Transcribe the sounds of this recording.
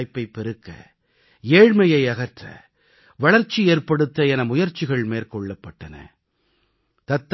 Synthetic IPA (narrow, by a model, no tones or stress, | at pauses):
jpːɐɪpːɛɾɯkːɐ̰ | eːɻmɐjɐɪɐɣɐɾʈrɐ̰ | ʋɐɭɐɾt͡ʃːieːrpɐɽɯt̪ːɐɛnɐmʊjɐɾt͡ʃːɪɣɐɭmeːɾkɔɭːɐpːɐʈːɐnɐ̰ | t̪ɐt̪ː